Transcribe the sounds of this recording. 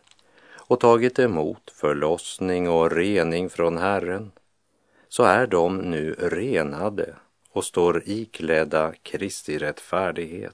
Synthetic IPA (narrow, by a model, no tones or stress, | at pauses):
ɔt̪ʰɑːɡɪt̪ɛmṵːt̪fœɭɔsnɪŋɔɾeːnɪŋfɾɔnɦærən | sɔæɖɔmnʉ̟ːɾeːnad̪ə̰ | ɔst̪oːɾiːkʰlɛd̪akʰɾɪst̪ɪɾɛt̪ːfæːɖɪɡhḛːt̪